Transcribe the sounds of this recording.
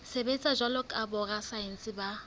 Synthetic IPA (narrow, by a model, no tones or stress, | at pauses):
sebet͡sʼaʒalɔkʼabɔɣasaɛn̩sɪba